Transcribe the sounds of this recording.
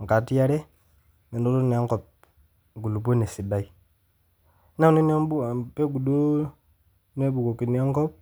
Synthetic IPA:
ŋ˨ka˨ti˦ja˦ɾɛ˦ | ŋe˨ndo˦lo˦ni˨a˦ŋ˦kɔ˨p̚ | ɡu˨lu˨p̬e˦ne˨si˨ba˦i˦ | na˦˨ne˦n˦a˦bu˦pe˦ɡu˨do˦ | n˦e˦bu˨ko˨ki˨ni˨˦a˦ŋkɔ˦p̚

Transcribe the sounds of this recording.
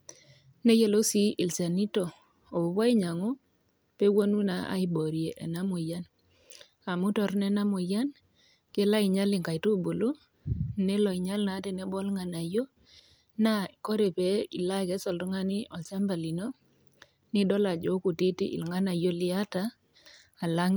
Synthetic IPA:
ne˦je˨lo˦si˦ʔi˨lsa˨ni˦to˨ | o˨o˨bwa˦i˦ɲa˨ŋo˦ | pe˦wo˦nu˦na˨a̰˦i˦bo˨ɾje˨ʔḛ˨na˦mo˨ja˦n | a˨mu˦tɔ˨ɾnɛ˦na˦mo˨ja˦n | ke˦la˦i˨ɲa˦li˨ŋka˨jto˦˨bo˨lo˦ | ne˦lɔ˨i˨ɲa˦lna˨˦te˨ne˦bɔ˦lŋa˨na˨jo˦ | na˦i˨ko˦ɾe˨pe˨˦i˨la˦˨kɛ˨˦sɔ˨ltɔ˦ŋa˦ni˦ʔɔ˨lsa˦mba˨li˨no˦ | ni˦dɔ˦la˨d͡ʒo˨˦ku˨ti˦tḭ˦ʔḭ˨lŋa˦na˨jo˦lɪ˦a˦taː˦˨ | la˦ŋ

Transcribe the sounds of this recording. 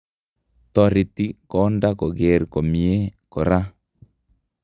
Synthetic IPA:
t̪ɔ˨ɾɪ˨t̪i˦kɔ˨˦nda˦kɔ˨ɡe˨ɾko˨mi˨e˦kɔ˨ɾa˦

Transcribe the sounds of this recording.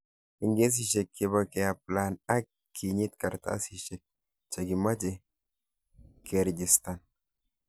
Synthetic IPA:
i˨ŋɡe˦s̬iʃekʰːe˨bakɛ˨a˨plana˦k | kʰːi˨ɲi˦t̪ka˨ɾt̪a̰˦si˨ʃe˨k̚ | t͡ʃa˨ɡi˨ma˦d͡ʒe | kʰeɾd͡ʒi˨st̪an

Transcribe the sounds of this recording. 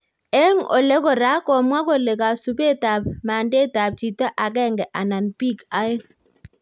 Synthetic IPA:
ɛ˦ŋɔ̰˨le˦kɔ˨ɾa˨˦kɔ˨mwa˦ko˨le˨ka˨su˨be˦˨ta˨bma˨nde˦˨ta˨p̚t͡ʃi˨ta˦ʔa˨k̬ɛ˦˨ŋɡɛ˨ʔa˨na˨npi˦˨ka˦je˦

